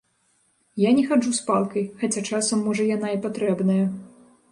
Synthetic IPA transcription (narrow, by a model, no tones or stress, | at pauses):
janʲɛxaʐuspalˠkɐjxat͡sʲat͡ʂasɐmːɔʐɐjan̪aipat̪ɾɛbnɐjɐ